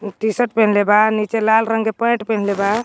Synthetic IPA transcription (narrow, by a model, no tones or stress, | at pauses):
ʈisəʈpenlebanit͡ʃelalɾəŋɡepə̃jʈpenleba